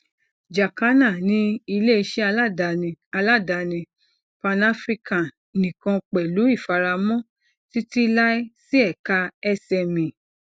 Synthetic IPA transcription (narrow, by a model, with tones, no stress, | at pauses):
d͡ʒa˨ka˨˦na˦˨nĩ˦i˧le˦i˧ʃɛ˦a˧la˦˨da˧˨nĩ˧a˧la˦˨da˨˧nĩ˧ | pã˧na˧˦fɾi˧ka˨ | nĩ˨kã˧k͡pɛ˨lu˨˦i˦˨fa˧ɾa˧mɔ̃˦˨ | ti˦ti˦la˦i˦si˦ɛ˦˨ka˧ɛ˧sɛ˧˨mĩ˨